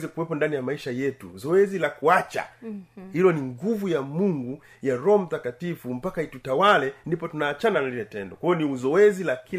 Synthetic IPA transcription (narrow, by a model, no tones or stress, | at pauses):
zɛkuwɛpɔndanijamaiʃajɛtṵzɔɛzilakuat͡ʃa̰hilɔniŋɡuvujamuŋɡu | jaɾɔɔm̩takatifum̩pakaitutawalɛndipɔtunaːt͡ʃananalilɛtɛ̰ndɔkwajɔniuzɔɛzilaki